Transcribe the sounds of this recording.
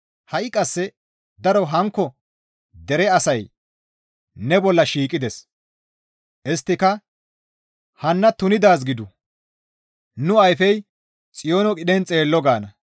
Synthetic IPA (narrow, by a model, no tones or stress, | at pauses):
hɐʔɪkʼɐsːɛ | d̪ɐɾɔɦɐŋkːɔ | d̪ɛɾɛɐsɐj | nɛbɔlːɐʃiːkʼːɪd̪ɛs | ʔɪst̪ːɪkɐ | hɐnːɐt̪ʊnɪd̪aːs̬ɡɪd̪ʊ | nʊɐjfɛj | t͡sʼɪjoːnɔkʼɪɗɛnt͡sʼe̞ːlːɔɡaːnɐ